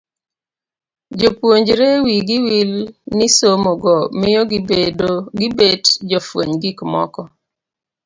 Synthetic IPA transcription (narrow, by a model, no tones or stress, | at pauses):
d͡ʒopwoɲd͡ʒɾewiɡɪwilnɪsomoɡɔmɪjɔɡbedoɡɪbedd͡ʒɔfwo̰ɲɡikmɔ̰kɔ